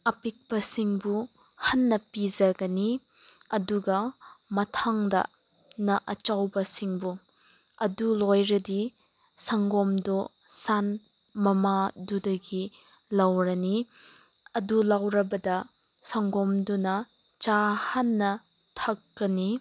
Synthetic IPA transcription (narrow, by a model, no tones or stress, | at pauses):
ɐpik̚pɐsiŋbu | hɐnːɐpid͡ʒɐɡɐni | ɐduɡɐmɐtʰaŋdɐ̰ | nɐʔɐt͡ʃawbɐsiŋbu | ɐdulojɾɐdi | sɐŋɡɔmdo | san | mɐmadudɐɡi | lawɾɐni | ɐdulawɾɐbɐdɐ | sɐŋɡɔmdunɐ | t͡ʃahɐnːɐ | tʰɐkːɐni